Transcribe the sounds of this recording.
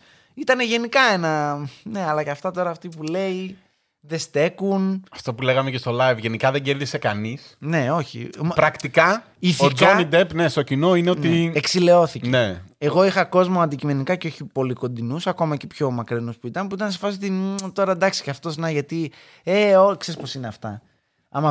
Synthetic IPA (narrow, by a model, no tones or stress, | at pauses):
it̪ɐne̞ʝe̞nikɐe̞nɐne̞ɐlɐceɐft̪ɐt̪o̞ɾɐːft̪ipule̞i | ðe̞st̪e̞kunɐft̪o̞pule̞ɣɐmecest̪o̞lɐjvʝe̞nikɐðe̞ɲɟeɾðise̞kɐnisne̞oçḭpɾɐkt̪ikɐ | iθoionid̪e̞pnest̪o̞cino̞ineo̞nt̪ieksile̞o̞θiceneeɣo̞ixɐko̞zmo̞ɐnd̪icime̞nikɐceo̞çipo̞liko̞nd̪inusɐko̞mɐce̞pço̞mɐkɾinuspuit̪ɐnepuit̪ɐnsefɐsit̪int̪o̞ɾɐnd̪ɐksi̥ceɐft̪o̞snɐʝɐt̪i | eokse̞ɾispo̞sineɐft̪ɐ̰ | ɐmɐ